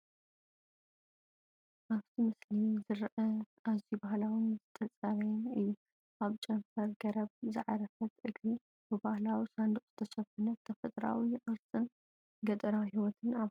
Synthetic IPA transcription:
ʔaβt̪ʰimɨslizɨɾʔɐ | azibahlawɨnzɨt̪ʰʼɐt͡sʼaɾɐjɛnɨjːu | ʔaβt͡ʃʼɐmfɐɾɡɐɾɐβzɨʕa̰ɾɐfɐt̪ʔɨɡɾi | bɨbahlawisand̪ɨχʼz̥ɨt̪ʰɐʃɐbɐnɐt̪ʰɐfɐt̪ʼɾa̰wiʔʼɨɾsʼɨn | ɡɐt̪ʼɨɾaɦiwɔt̪ʰɨna

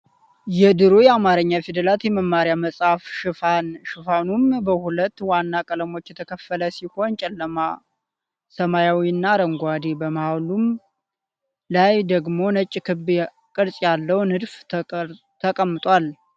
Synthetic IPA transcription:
jɛd̪ɨɾojɛamaɾəɲːafid̪əlat̪jɛməmːaɾjaməsʼhafʃɨfanʃɨfanumbəhulət̪ːwanːakʼələmo̞t͡ʃːjɛt̪ʰəkʰəfələsiho̞nt͡ʃʼɛlːəma | səmajawiɨnːaɾəŋɡʷad̪ebəmawlum | lajd̪əɡmo̞nət͡ʃʼːkʰɨb | kʼɨɾsʼjalːəwnɨd̪f | t̪ʰəkʼəmːɨt̪ʼwal

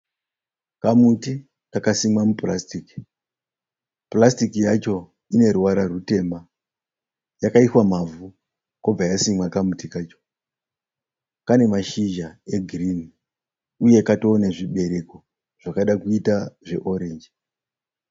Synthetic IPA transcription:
kamuti | kakasimwamupla̰stiki̥ | plastikijat͡ʃo̞ | ine̞ɾuwaɾarute̞mba | jakaiswamavu | kob͡vajasimwakamutikaːt͡ʃo̥ | kane̞maʃiʒae̞ɡʱrini | uje̞kato̞ːneʐiɓe̞ɾe̞ko̞ | ʐ̥akaɗakuitaʐe̞ʔo̞ɾe̞nd͡ʒi

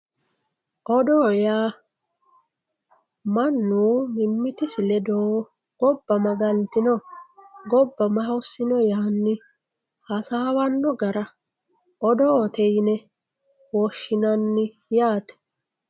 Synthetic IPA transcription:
ʔɔd̪oːjaː | mɐnːuːmɪmːɪt̪ɪsɪlɛd̪oː | ɡ̥ɔbːɐmɐɡɐlt̪ɪnɔ | ɡɔbːɐmɐɦɐwsːɪnɔjaːnːɪ | hɐsaːwɐnːɔɡɐɾɐ | ɔd̪ɔːt̪ɛjnɛ | wɔʃːɪnɐnːɪ | jaːt̪ɛ̥

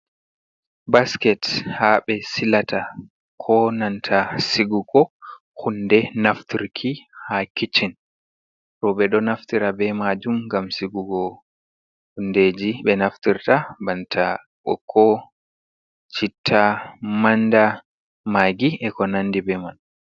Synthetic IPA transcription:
baskɛthaɓɛsilatʰa | kʰɔnantʰasiɡuɡɔ | hundɛnaftʰiɾkʰihakit͡ʃin | ɾɔɓɛɗɔnaftiɾabɛmad͡ʒumɡamsiɡuɡɔ | hunded͡ʒiɓɛnaftiɾtabantʰa | ɔkʰɔ | t͡ʃitʰːamanda | maɡiʔɛkɔnandibɛman

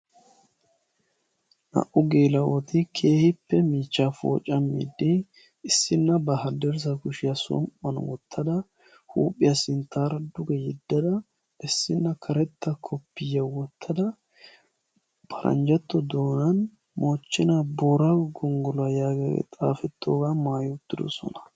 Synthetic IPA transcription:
nɐ̰ʔʊɡeːlɐwɔt̪ɪkʰe̞ːhɪpːɛmiːt͡ʃːafo̰ːt͡ʃʼːɐmːḭd̪ɪ | ɪsːɪnːɐbɐɦɐd̪ɛɾs̬ɐkʊʃɪjɐsɔ̰mpːɐn̰wɔ̰t̪ʰːɐd̪ɐ | huːpʼːɪjɐsɪnt̪ːaːɾɐd̪ʊɡɛjɛd̪ːɐd̪ɐ | ʔɪsːɪnːɐkʰɐɾɛt̪ːɐkʰɔpːɪjːɐwɔt̪ʰːɐd̪ɐ | b̥ɐɾʔɐ̰nd͡ʒɐt̪ːɔd̪oːnɐn | mot͡ʃːɪnɐboːɾɐɡɔŋɡɔlɐjaːɡɐɡɛ̰t̪ʼa̰ːfɛt̪ːoːɡamaːjʊt̪ːɪd̪ɔ̰sɔ̰nɐ̥

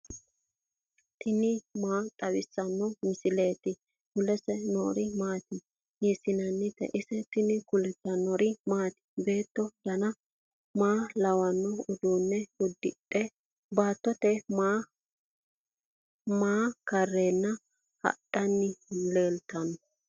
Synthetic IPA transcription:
t̪ʰɪnɪmaːt̪ʼɐwɪsːɐnːɔmɪsɪleːt̪ɪ | kʊlɛsɛnɔːɾɪmaːt̪ɪ | jɛsɪnɐnːɪt̪ɛ̰ʔɪsɛt̪ɪnɪkʊlɛt̪ːɐnɔɾɪmaːt̪ɪ̥be̞ːt̪ːɔd̪̥ɐnɐ | maːlɐwɐnːɔʊd̪uːnːɛʊd̪ːɪɗɛ | baːt̪ːɔt̪ɛmaː | maːkɐrːeːnːɐ | hɐ̰ɗɐnːɪleːlt̪ɐnɔ

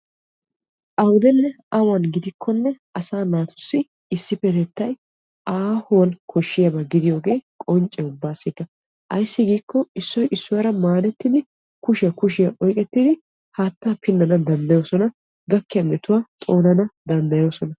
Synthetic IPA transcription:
ʔɐwʊd̪ɛnːɛ | ɐwɐnɡɪd̪ɪkʰːɔnːɛʔɐsaːnaːt̪ʊ̥sːɪ | ɪsːɪpɛt̪ɛt̪ːɐj | ʔaːhʊwɐnkʰɔʃːɪjɐbɐɡɪd̪ɪjo̞ːɡe̞ːkʼɔnt͡ʃʼɛʊbːaːsɪk̪ːɐ | ʔɐjsːɪɡiːkːɔɪsːɔjʔɪsːʊwaːɾɐmaːd̪ɛt̪ːɪd̪ɪ | kʊʃɪjɐkʊʃɪjɐʔɔjkʼɛt̪ːɪd̪ɪ | haːt̪ːaːpɪnːɐnɐd̪ɐnd̪ɐjo̞ːsɔnɐ | ɡɐkːɪjɐmɛt̪ʊwaːt̪ʼo̞ːnɐnɐd̪ɐnd̪ɐjo̞ːsɔnɐ

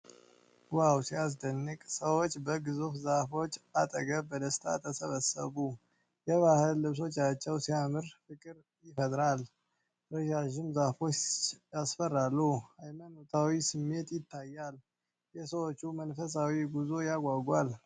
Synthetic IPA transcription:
wawsias̬d̪ənːɨkʼsəwot͡ʃːbəɡɨzufzahfo̞t͡ʃːat̪ʼəɡəβbəd̪əst̪ʰa̰t̪ʰəsəβəsə̰βu | jɛβahɨlːɨβs̬o̞t͡ʃːat͡ʃːɛwsijamɨɾfɨkʼɨɾ | jɪfət̪ʼɾal | ɾəʒaʒɪmzafo̞t͡ʃːjasfərːalːuajmənot̪ʰawisɨmːe̞t̪jɪt̪ʰːajːal | jɛsəwot͡ʃːumənfəs̬awiɡuzo̞jaɡʷaɡʷal

